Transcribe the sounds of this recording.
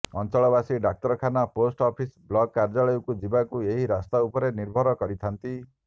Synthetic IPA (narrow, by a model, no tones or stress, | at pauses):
ɔnt͡ʃɔɭɔβasiɖak̚t̪ɔɾɔkʰanaposʈɔpʰisblɔɡkːaɾd͡ʒɔɭɔjukud͡ʒibakueɦiɾast̪aupɔɾeniɾbʱɔɾɔkɔɾit̪ʰant̪i